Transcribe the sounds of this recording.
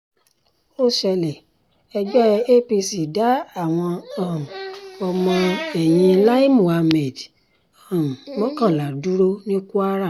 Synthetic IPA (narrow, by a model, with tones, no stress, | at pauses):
o˦˨ʃɛ˧lɛ˨ | ɛ˧d͡ʒɔ˦ɛ˧e˦pi˧si˨da˨˦a˦˨w̃ɔ̃˧a˦˨m˨ɔ˧mɔ̃˧ɛ˨j̃ĩ˧la˦i˦mu˨a˧me˨d | a˨mɔ̃˦kã˦˨la˨du˦ɾo˦nĩ˦ku˦a˦ɾa˦˨